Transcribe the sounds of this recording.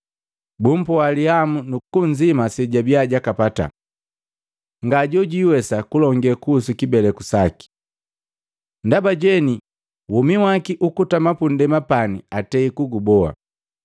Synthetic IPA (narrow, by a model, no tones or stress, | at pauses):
bum̩pɔaliamunukuɲd͡ʒimasɛɟabiaɟakapata̰ | ŋɡaɟɔɟiwɛsakulɔŋɡɛkusukibɛlɛkusaki̥ | ndabaɟɛni | wumiwakiʔukutamapundɛmapanḭatɛikuɡubɔa̰